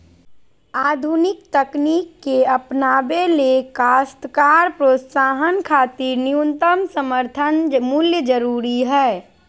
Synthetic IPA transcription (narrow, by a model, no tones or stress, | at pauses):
aːd̪ʱunɪk̚t̪əkniːkːeəpnaːbelekaːst̪kaːɾpɾoːt̪saːɦənkʰaːt̪iɾniunt̪əmsəməɾt̪ʰənmʊljəd͡ʒəɾuːɾiɦɛː